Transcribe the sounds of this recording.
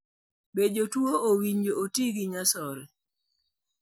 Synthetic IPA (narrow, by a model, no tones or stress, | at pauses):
bed͡ʒotwoowiɲd͡ʒootiɡiɲasɔɾɛ